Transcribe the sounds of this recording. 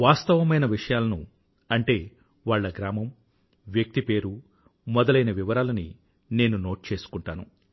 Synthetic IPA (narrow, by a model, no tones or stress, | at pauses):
ʋaːst̪ɐʋɐmɐjnɐʋiʂɐjaːlɐnu | ɐɳʈe̞ː | ʋaːɭːɐɡɾaːmɐm | ʋjɐk̚t̪ipe̞ːɾu | mɔd̪ɐlɐjnɐʋiʋɐɾaːlɐnḭ | ne̞ːnuno̞ːʈ̚t͡ʃe̞ːsu̥kuɳʈaːnu